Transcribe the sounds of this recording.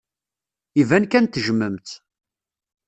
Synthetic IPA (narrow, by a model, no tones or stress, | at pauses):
ivænkænt̪ːəʒəməmt̪